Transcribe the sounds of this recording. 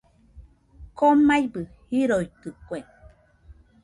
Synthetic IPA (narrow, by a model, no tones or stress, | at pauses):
komajbɨhiɾoit̪ɨkʷeŋ